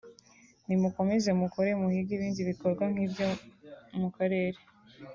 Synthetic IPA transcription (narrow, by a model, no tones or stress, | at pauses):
nimuko̞me̞ze̞mukoɾe̞muhiɡiβiːndiβiko̞ɾɡwaŋ̥iːbjomukaɾe̞ːɾe̞